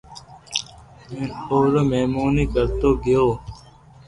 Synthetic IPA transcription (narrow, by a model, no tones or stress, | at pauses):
menoːɾomeːmoːniːkɐɾt̪oːɡijoː